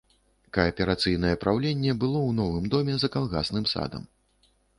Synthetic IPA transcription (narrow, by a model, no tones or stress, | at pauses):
kɐːpʲɛɾat̪sɨjn̪ɐjɛpɾawlʲenʲːɛbɨlˠɔwnɔvɨmd̪ɔmʲɛzɐkalˠɣa̰snɨmsa̰d̪ɐ̰m